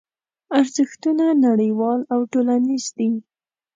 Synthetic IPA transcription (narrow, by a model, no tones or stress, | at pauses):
aɾzəxt̪unanaɽəjwɑlawʈolanizd̪i